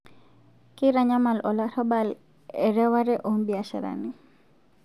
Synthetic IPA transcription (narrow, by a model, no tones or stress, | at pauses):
kiɾaɲamalɔlaɾɔbal | ɛɾɛwaɾɛʔombiaʃa̰ɾa̰ni